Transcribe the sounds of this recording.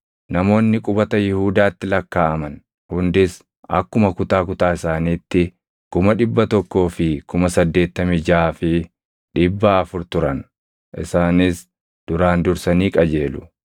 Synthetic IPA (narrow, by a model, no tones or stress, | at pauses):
nɐmo̞ːnːɪkʼʊbɐt̪ɐjɪhuːd̪aːt̪ːɪlɐkːaːɐmɐn | hʊnd̪ɪs | ʔɐkːʊmɐkʊt̪aːkʊt̪aːɪsaːniːt̪ːɪ | kʊmɐᶑɪbːɐt̪ɔkːo̞ːfɪkʊmɐsɐd̪ːe̞ːt̪ːɐmɪd͡ʒaːfɪ | ᶑɪbːaɐfʊɾt̪ʊɾɐn | ʔɪ̰saːnɪs | d̪̥ʊɾaːnd̪ʊɾsɐniːkʼɐd͡ʒe̞ːlʊ̥